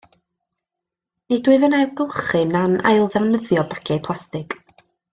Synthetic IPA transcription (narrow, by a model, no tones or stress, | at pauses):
nidwɨvənajlˠɡəlˠχɨnanʔa̰jlˠðɛvnəðjɔbakʰɛpʰl̥ˠastɪɡ̥